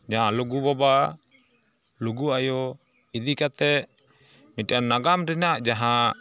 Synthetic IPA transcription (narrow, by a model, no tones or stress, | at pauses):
d͡ʒaɦaluɡubɔba | luɡuajɔ | id̪ikat̪ɛʔ | mitianːaɡamɾinaʔd͡ʒaɦã